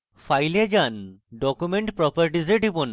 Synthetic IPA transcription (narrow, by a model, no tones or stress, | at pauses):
fʰajlad͡ʒanɖɔkumeɳʈpɾɔpəɹʈizəʈibun